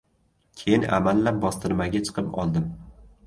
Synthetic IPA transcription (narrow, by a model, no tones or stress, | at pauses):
kʲʰejɪnʔa̰malːap̚bɒst̪ɪɾmaɡʲat͡ʃʰɨ̥qʰɨpɒ̰lˠd̪ɪm